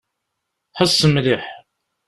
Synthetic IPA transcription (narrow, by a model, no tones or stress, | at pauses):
ħəsˤːəmɾiħ